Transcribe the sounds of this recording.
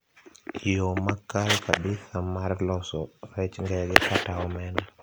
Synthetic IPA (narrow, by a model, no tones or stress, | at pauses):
jomakːalkaɓisamaɾlɔsɔɾɛt͡ʃŋɡɛɡɛkataɔmɛna